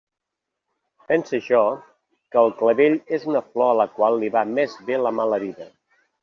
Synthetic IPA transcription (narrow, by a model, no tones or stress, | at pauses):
pɛnsəʒɔ | kəːlˠkləβeʎezunəflɔələkwalˠːiβamezβeləmaləβiðə